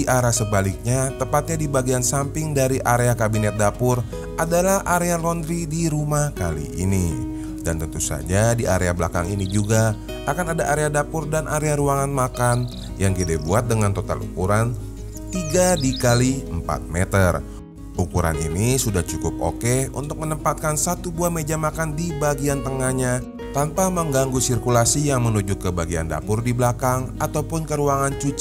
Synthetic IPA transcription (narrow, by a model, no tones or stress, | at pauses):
iʔaɾasəbalɪk̚ɲat̪əmpat̪̚ɲadibaɡiansampɪŋdaɾiʔaɾeakabinɛt̪̚dapʊr | ʔadalahʔaɾealɔnd̪ɾidiɾumahkalḭʔːni | dant̪ənt̪usa̰d͡ʒadia̰ɾeabla̰ka̰ŋinid͡ʒuɡa | ʔakanadaʔaɾeadapʊrdanʔaɾeaɾuaŋanmakan | jaŋkedɛbuat̪̚dəŋant̪ot̪a̰lṵkuɾan | t̪iɡadikaliəmpa̰t̪̚mɛt̪ər | ʔukuɾa̰nḭnisudaht͡ʃukʊpo̰kɛṵnt̪ʊk̚mənəmpat̪̚kansat̪ubuahmed͡ʒamakandibaɡiant̪əŋahɲa | t̪anpaməŋɡaŋɡusirkulasijaŋmənud͡ʒʊkːəbaɡianda̰pʊrdiblakaŋat̪awpʊnkəɾuaŋant͡ʃut͡ʃ